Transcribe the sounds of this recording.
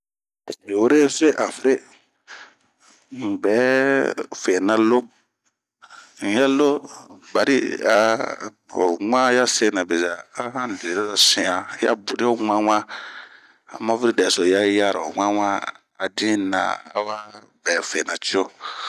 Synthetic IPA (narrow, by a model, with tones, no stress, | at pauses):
be˨wo˦ɾe˦fe˦ʔa˨fi˦ɾe˦ | m̩˨bɛː˨˦ | fe˨nã˦lo˦ | n̩˨˦ja˦lo˦ba˨ɾḭ˦a˨ | o̰˨ŋ͡ma˦ja˦se˦nã˨be˨zaː˨˦hã˦n˨de˨ɾa˦a˨sĩ˨ã˨˦ja̰˦bu˨ɾi˦o˦ŋ͡ma˦ŋã˦ | a̰˨ma˦fi˦ɾi˦dɛ˨so˨ja˦ja˦˨ɾa˨o˨ŋa˦wa˦ | a˨dĩ˦na̰˨a̰˦wa˦ | bɛː˨˦fe˨na˨t͡ʃi˦o˦